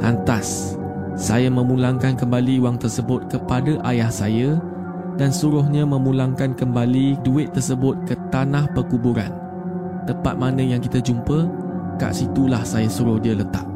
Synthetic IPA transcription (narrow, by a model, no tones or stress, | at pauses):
ʔa̰nt̪asː | ajamə̃mũlaŋkankəmbaliuwaŋt̪ərsəbʊt̪̚kəpadaʔajahsaja | dansuɾʊɦɲãmə̃mũlaŋkankəmbaliduɪt̪ːərsəbʊt̪̚kət̪anahpərkubuɾa̰n | t̪əmpa̰t̪̚manə̃jaŋkit̪əd͡ʒumpə | ka̰ʔsit̪ulahsajasuɾʊhdiələt̪a̰ʔ̚